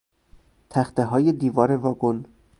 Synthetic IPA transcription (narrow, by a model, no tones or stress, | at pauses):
t̪ʰæxt̪eɦɒːjed̪iːvɒːɾevɒːɡon